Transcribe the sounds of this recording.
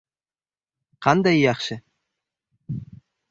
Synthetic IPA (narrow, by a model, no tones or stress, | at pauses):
qʰɑnd̪ɑjːɑχʃə